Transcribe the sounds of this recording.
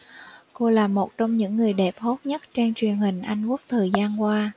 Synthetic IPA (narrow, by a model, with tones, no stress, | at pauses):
ko˧laː˨˩mo˨˩t̚t͡ɕɔ˧wŋ͡mɲɨ̰˧˥ŋːɨ˨˩əjɗɛ˨˩p̚h̪o˦˥t̚ɲə˦˥t̚t͡ɕe˧nt͡ɕwi˨˩ənhï˨˩ŋ̟ʔa˧jŋ̟ku˦˥ək̚t̪ʰəː˨˩jzaː˧nkwaː˧